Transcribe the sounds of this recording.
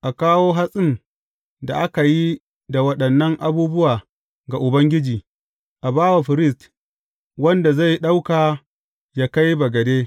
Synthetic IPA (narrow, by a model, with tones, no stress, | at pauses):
ʔa˨kaː˦woː˦ɦa˦sʼɪ˦n | da̰˨ʔa˦ka˨ji˦ | da˨wɐ˦ɗɐ˨nːɐ˦ŋʔa˦buː˦bʊ˦waː˨ | ɡa˨ʔʊ˨bɐ˦ŋɡʲɪ˦d͡ʒiː˨ | ʔa˨baː˦wa˨ɸɪ˨ɾɪ˦st | wɐ˦nda˨za˦˨jɗa˦wkaː˨ | ja˦ka˦jbɐ˨ɡɐ˨deː˦